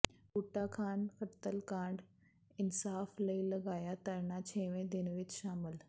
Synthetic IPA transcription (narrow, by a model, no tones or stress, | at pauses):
kuːʈakʰaːnxɐt̪əlkãːɳɖ | ɪnsaːflɐilɐɡaːjat̪ɐɾnat͡ɕʰeːʋẽd̪ɪnʋɪt͡ɕʃaːmɪl